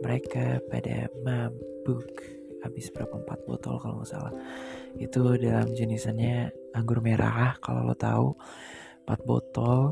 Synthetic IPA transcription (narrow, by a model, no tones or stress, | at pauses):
məɾekapada̰mabʊk | abɪsbəɾapampat̪̚bɔ̰t̪ɔlkalo̰masa̰lahit̪udalamd͡ʒənisanɲa | aŋɡʊrmeɾʔa̰ahkalo̰lo̰t̪au | pat̪̚bɔ̰t̪ɔl